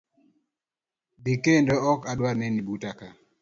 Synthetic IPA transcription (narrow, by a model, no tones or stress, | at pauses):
bekendɔɔkadwaɾnɛnibutaka